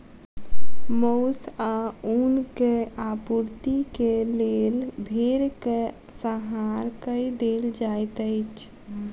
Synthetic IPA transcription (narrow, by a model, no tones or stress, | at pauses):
moʊsaunkeapuɾt̪ikelelbʱeɾke | səɦaɾkəid̪eld͡ʒajt̪əɪt͡ʃʰ